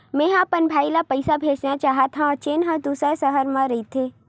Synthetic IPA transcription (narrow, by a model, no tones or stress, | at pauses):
mɛ̃ːɦãːpənbʱaːilapɐɪsabʱeːd͡ʒnat͡ʃaːɦat̪ʰãɔt͡ʃeːnɦãd̪uːsasɐɦəɾmãɾɐit̪ʰeː